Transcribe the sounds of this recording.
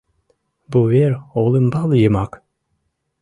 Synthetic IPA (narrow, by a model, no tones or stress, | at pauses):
buveɾolˠɯmbalˠjɯmak